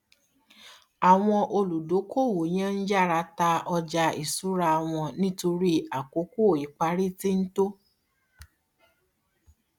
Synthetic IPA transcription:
a˨w̃ɔ̃˧ʔo˧lu˨do˨˦ko˦˨wo˨j̃ã˦n̩˦d͡ʒa˦˨ɾa˧ta˧ɔ˧d͡ʒa˧ḭ˨su˨˦ɾa˧w̃ɔ̃˧nĩ˦to˧ɾi˦a˨ko˨˦ku˦o˦˨i˨k͡pa˧˦ɾi˦ti˦n̩˦to˦

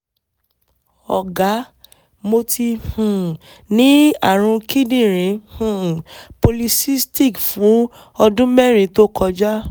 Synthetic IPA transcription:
ɔ̰˨ɡa˨˦ | mo˧ti˧hũ˨ | nĩ˨˦a̰˦˨ɾ̃ũ˧ki˦dĩ˦˨ɾ̃ĩ˨˦hũ˨po˧li˧si˦sti˦˨kfũ˨˦ | ɔ˧dũ˦mɛ˦˨ɾ̃ĩ˨˦to˦kʰɔ˧d͡ʒa˦

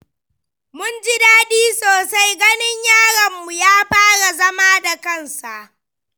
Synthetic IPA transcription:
mʊ˦nd͡ʒɪ˦daː˦diː˦soː˨sa˦jɡɐ˦nɪ˦ɲjaː˦ɽɐ˨mːu˨jaː˦ɸaː˦ɽa˨zɐ˦maː˦da˨kɐ˦˨nsa˨ʔ

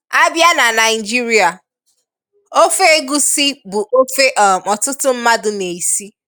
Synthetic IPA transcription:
a˦bja˦na˨na˨ɪ˨d͡ʒi˦ɾi˦a˨ | o˦fe˦e˦ɡu˦si˦bu˨ʔo˦fe˦ʔɔ˨mɔ˨tʊ˦tʊ˦m̩˦ma˦dʊ˨ne˨i˨si˦

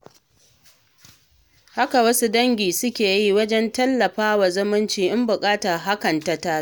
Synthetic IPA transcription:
ha˦ka˨wɐ˦su˦dɐ˦ŋɡʲiː˨sʊ˦kʲeː˨jiː˦wɐ˦d͡ʒɛ˦ntɐ˦lːɐ˨ɸaː˦wa˨zʊ˦mʊ˦nt͡ʃiː˨ʔɪ˦mbʊ˨kʼaː˦ta˨ɦa˦kɐ˨nta˨taː˦

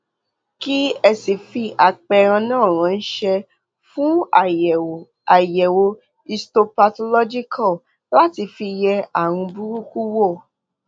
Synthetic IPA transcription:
ki˦ɛ˧si˨fi˧ʔa˨k͡pɛ˧ɾ̃ã˧nãː˦˨ɾ̃ã˨˧n̩˦ʃɛ˧ | fũ˦˨ | a˨jɛ˨wo˧ | i˧sto˧pa˧to˧lɔ˦d͡ʒi˦kʰɔ˦˨ | la˦ti˧fi˧jɛ˧a˦˨w̃ũ˧bu˦ɾu˦ku˦wo˦˨

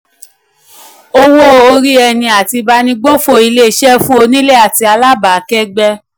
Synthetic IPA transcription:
o˧wo˦o˧ɾi˦ɛ˧nĩ˧a˨ti˧ba˦nĩ˦ɡ͡bo˦fo˧i˧le˦˧ʃɛ˦fũ˦o˧nĩ˦le˦a˨ti˧a˧la˦ba˨˦kɛ˦ɡ͡bɛ˧

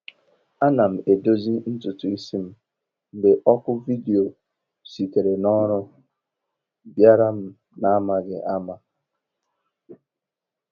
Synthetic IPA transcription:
a˦na˨m̩˨e˨do˦zi˦n̩˦tʊ˨tʊ˨i˦si˦m̩˦ | n̩˦dɪ˨ʔɔ˦kʊ˦vi˦de˨o˨ | si˨ke˨ɾe˨nɔ˦ɾʊ˦ | bja˦ɾa˦m̩˦ | na˦ma˨ɡɪ˨ʔa˦ma˦

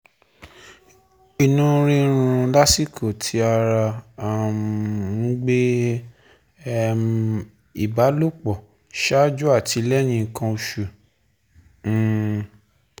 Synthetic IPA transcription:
i˨nũ˦ɾĩ˦ɾ̃ũ˧˦la˦si˦˨kʰo˨tʰi˧˦a˧ɾa˧˨ | ŋ̩˦ɡ͡be˦˨ | i˨ba˨˦lo˦k͡pɔ˨ | ʃa˦d͡ʒu˦a˦˨tʰi˨˧˦lɛ˦j̃ĩ˧kã˧o˧ʃu˨˦˨

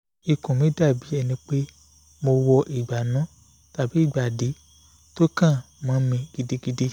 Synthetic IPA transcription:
i˨kũ˨mĩ˨˦da˦˨bi˨˦ɛ˧nĩ˧k͡pe˦ | mo˧wɔ˧ʔi˨ɡ͡ba˨nã˨˦ | ta˨bi˨˦i˦˨ɡ͡ba˨di˨˦ | to˦kã˦˨ | mã˨˦mĩ˧ɡ̥i˧di˧ɡi˧de˦

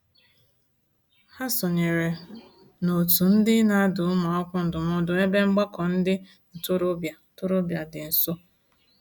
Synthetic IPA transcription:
ha˦sɔ˨ɲe˨ɾe˨ | no˨tu˨n̩˦dɪ˦na˦dʊ˨ʊ˦ma˨ɔ˦kʷʊ˦n̩˨dʊ˨mʊ˦dʊ˨e˦be˦ŋ͡m̩˦ɡ͡bɔ˦kɔ˨n̩˦dɪ˦ | n̩˨tʊ˦ɾʊ˦bja˨tʊ˦ɾʊ˦bja˨dɪ˨n̩˨so˦

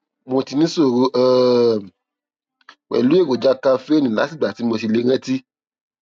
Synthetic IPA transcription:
mo˧ti˧nĩ˦so˦˨ɾu˧˦ʔɛ˦˨ | wɛ̰˨lu˨˦e˦˨wo˨d͡ʒa˦ka˧fe˦nĩ˨la̰˨˦si˦˨ɡ͡ba˨ti˨˦mo˧ti˧le˧˦ɾ̃ɛ̃˦ti˦

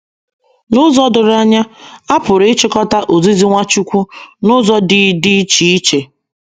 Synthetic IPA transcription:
nʊ˦zɔ˦dʊ˨ɾa˦ɲa˦a˦pʊ˨ɾɪ˦t͡ʃɪ˦kɔ˦ta˦ʔo˨zi˦zi˦ŋʷa˦t͡ʃu˦kʷu˦nʊ˦zɔ˦dɪ˨dɪ˦t͡ʃi˦i˦t͡ʃe˨

